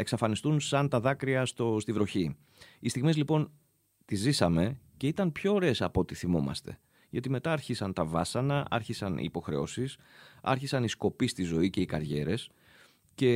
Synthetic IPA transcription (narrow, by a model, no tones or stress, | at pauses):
e̞ksɐfɐnist̪unsɐnt̪ɐðɐkɾiɐst̪ost̪ivɾo̞çi | ist̪iɣmizlipo̞n | t̪izisɐme̞ce̞it̪ɐnpço̞ːɾe̞sɐpo̞t̪iθimo̞mɐ̰st̪e̞̰ | ʝɐt̪ime̞t̪ɐːɾçisɐnt̪ɐvɐsɐnɐɐ̰ɾçisɐnḭːpo̞xɾe̞̰o̞̰sis | ɐ̰ɾçisɐnisko̞pist̪izo̞ice̞ikɐɾʝe̞̰ɾe̞s | ce̞